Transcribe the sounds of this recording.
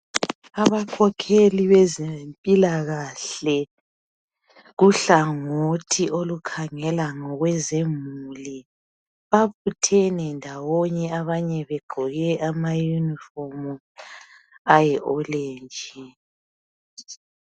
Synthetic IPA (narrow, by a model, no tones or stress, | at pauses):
aβakʰɔkʰeliβɛzempʼilaɣaɬɛ | ɣuɬaŋotʰiʔolukʰaŋɛlaŋɔɣwɛzemuli | βaβutʰɛnɛndʱawɔɲɛaβaɲɛβeɡ͡ǃʱɔɣɛʔamajunifomu | ajɛʔɔleːnd͡ʒʱi